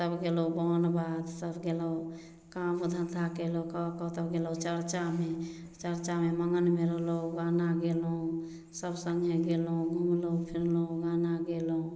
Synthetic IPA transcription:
t̪əbɡelobɔːnbad̪səbɡeloo | kamud̪ʱə̃nd̪ʱakelokəkət̪əbɡelot͡ʃəɾt͡ʃame | t͡ʃəɾt͡ʃameməŋɡənmeɾəɦloɡanaɡeloũ | səbsə̃ŋɡʱeɡelũɡʱumlopʰiɾloɡaːnaɡelõ

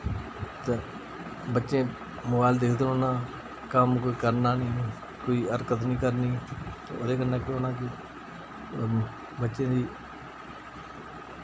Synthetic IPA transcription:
t̪e | bətːʃẽː | mʊbaːld̪eːkʰd̪oːnãː | kəmkoːiːkəɾnaːnĩː | koːiːəɾkət̪nĩːkəɾniːt̪ːo̰ːd̪eːkənːãːkɪoːnãːkɪ | bətːʃẽːd̪iː

